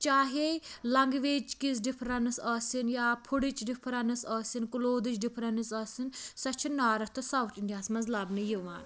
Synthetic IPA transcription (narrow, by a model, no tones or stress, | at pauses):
t͡ʃaːɦelɐŋɡʋeːt͡ʃkisɖipʰɾɐnɨsɐːsinjaːpʰuɽit͡ʃɖipʰɾɐnɨsɐːsinkuloːd̪ɨt͡ʃɖipʰɾɐnisɐːsinsɐt͡ʃʰinːaːɾɐt̪ʰɐsaːwt̪ʰiɳɖijaːnsmɐnzlɐbnɨjiʋaːn